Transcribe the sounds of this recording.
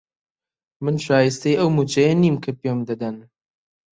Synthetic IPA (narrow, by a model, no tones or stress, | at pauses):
mɨnʃaːjist̪ɐjɐwmut͡ʃɐjɐniːmkʰɐpiomd̪ɐd̪ɐn